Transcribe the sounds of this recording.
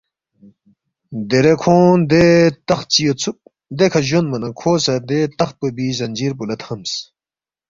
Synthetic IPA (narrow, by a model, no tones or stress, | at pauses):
d̪eɾekʰoːnd̪et̪ɐxt͡ɕijot͡sʰuk̚ | d̪ekʰɐʑonmɐnɐkʰoːsɐd̪et̪ɐx̚pɐbizɐnd͡ʑiːɾp̬ulɐt̪hɐms